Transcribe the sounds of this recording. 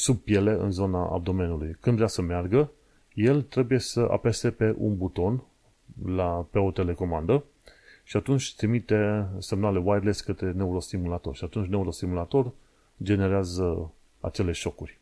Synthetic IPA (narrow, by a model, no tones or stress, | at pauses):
sub̚pje̞le̞ɨ̰nzo̞naʔa̰b̚d̪o̞me̞nulujkɨnd̪veasəmearɡə | je̞lt̪ɾe̞buje̞səʔa̰pe̞st̪epe̞ʔṵnbut̪o̞n | lape̞o̞t̪e̞le̞ko̞mand̪ə | ʃiat̪unt͡ʃʲt̪ɾimit̪e̞se̞mnale̞wajd̪leskət̪ɾe̞ne̞uɾo̞st̪imulat̪o̞rʃiat̪unt͡ʃʲne̞uɾo̞st̪imulat̪o̞r | d͡ʒe̞ne̞ɾeazə | a̰t͡ʃe̞le̞ʃo̞kurʲ